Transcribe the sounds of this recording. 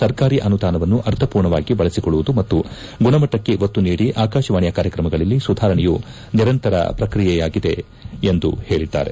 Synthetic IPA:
sɐɾkaːɾiʔɐnud̪aːnɐʋɐnːuʔɐɾt̪ʰɐpuːɾɳɐʋaːɡibɐɭɐsikɔɭːuʋud̪umɐt̪ːu | ɡuɳɐmɐʈːɐkːe̞ʔot̪ːuniːɽiʔaːkaːʃɐʋaːɳjɐkaːɾjɐkɾɐmɐɡɐɭɐlːisud̪ʱaːɾɐɳɛju | niɾɐnt̪ɐɾɐ̰pɾɐkɾijɛjaːɡid̪e̞ | end̪uheːɭid̪ːa̰ːɾe̞̰

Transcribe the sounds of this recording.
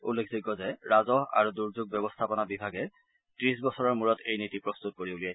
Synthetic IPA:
ṵlːekʰziɡɔzɛɹazɔɦa̰ɹuduɹzuɡ̚bɛbɔstʰapɔnabibʱaɡɛ | tɹisbɔsɔɹɔɹmuɹɔtʰejnitipɹɔst̪ut̚koɹiulijɛj

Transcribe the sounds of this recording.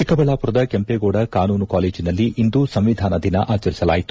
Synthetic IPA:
t͡ʃikɐbɐɭaːpuɾɐd̪ɐkempeːɡoːɽɐkaːnuːnukaːle̞ːd͡ʒinɐlːiʔind̪usɐmʋid̪ʱaːnɐd̪inɐ̰ʔaːt͡ʃɐɾisɐla̰ːjit̪u

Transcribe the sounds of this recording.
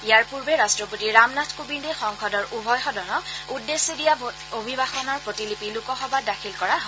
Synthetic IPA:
ijaɹpuɹbɛɹastɹɔpotiɹamnatʰkubindɛxɔŋxʰɔdɔɹʔubʱɔjxɔdɔnɔudːesːedija | obʱibaxɔnɔɹpɹotilipilukɔxɔbadakʰilkɔɹaɦo

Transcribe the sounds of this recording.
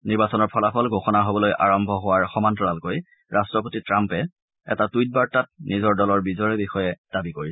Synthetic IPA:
niɹbasɔnɔɹpʰɔlapʰɔlɡʱoxɔnaɦobɔlojʔa̰ɹɔmbʱɔɦʊwaɹxɔmantɹɔalkoj | ɹastɹɔpotitɹampɛ | ɛ̰tatujt̚baɹtat̚nizɔɹdɔlɔɹbizɔɹɛbixɔjɛd̥abikoɹi

